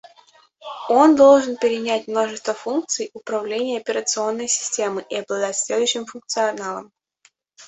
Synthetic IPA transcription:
o̞nd̪o̞lˠʐɨnpʲɪɾʲɪnʲætʲmno̞ʐɨst̪vəfunk̚t̪sɨjʊpɾɐvlʲenʲɪjəɐpʲɪɾət̪sɨo̞nːəjsʲɪ̥sʲtʲe̞mɨʔɪɐblˠɐd̪atʲsʲlʲed̪ʊjɕːɪmfʊnk̚t̪sɨɐnalˠə̰m

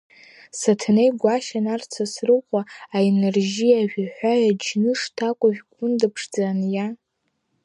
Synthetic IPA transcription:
satʰnejɡʷaʃanart͡sʰasrɨqʷʼaaenerʒiaʒᶣħʷᶣajad͡ʒnɨʂtʰakʷʼaʒᶣɡʷʼʊndɨpʰʂd͡zanja

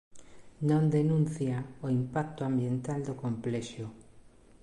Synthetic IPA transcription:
nõnd̪enũn̟θjaoimpak̚t̪ʊambjent̪ald̪okomplɛʃʊ

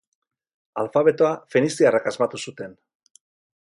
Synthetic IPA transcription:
alfaβe̞t̪oafenisiarakazmat̪usut̪e̞n

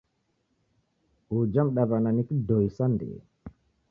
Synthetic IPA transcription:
ud͡ʒamɗabananikidojsandɛ̰

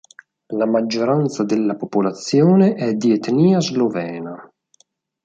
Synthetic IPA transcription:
lamad͡ʒːoɾant̪sad̪elːapopolat̪sːjoːneʔɛd̪iet̪niːazlovɛːna

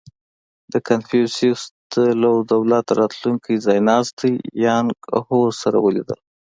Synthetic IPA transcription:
d̪̥əkanfusisd̪̥əlawd̪awlat̪ɾɑt̪luŋkʰəjzɑjnɑzt̪əjjɑŋɡhoɾsaɾa̰wəlḭd̪ə̰l

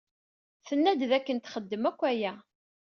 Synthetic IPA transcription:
θənːæd̪ðækːənt̪χəd̪ːəmækʷːæjæ

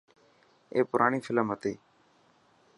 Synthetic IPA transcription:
ḛːpʊɾʔaːɳiːfʰɪləmɦət̪iː

